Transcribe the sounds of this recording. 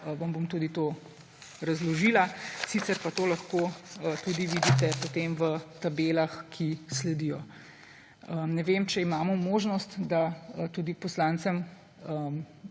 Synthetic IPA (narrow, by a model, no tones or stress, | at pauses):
ʋɐmbomt̪ud̪it̪oː | ɾɐzlɔʒilasiːt̪sɛɾpat̪oːlɐxkoːt̪uːd̪iʋiːd̪it̪ɛpot̪emʋət̪abeːlaxkʰislɛd̪ijɔ | ənɛʋemt͡ʃɛimaːmɔmoːʒnɔst̪d̪at̪ud̪ipɔslant̪səm | əm